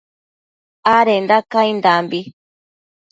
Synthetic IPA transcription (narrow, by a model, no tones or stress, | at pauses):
aɾend̪akaind̪ambi